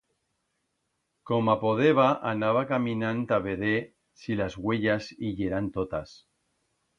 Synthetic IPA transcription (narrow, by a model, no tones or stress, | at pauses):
komapoðeβaʔanaβakamĩnãnt̪aβeðe | silazɣweʎasiʎeɾant̪ot̪as